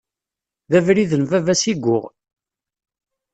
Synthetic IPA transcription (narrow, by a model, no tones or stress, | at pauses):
ðævɾiðənvævæsiɡʷːʊʁ